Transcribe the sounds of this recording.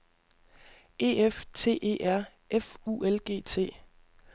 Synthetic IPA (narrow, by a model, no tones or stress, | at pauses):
e̝̰ːeft͡sʰe̝̰ːʔe̝̰ːʔæɐ̰ | efuelɡ̥e̝̰ːt͡sʰe̝̰ː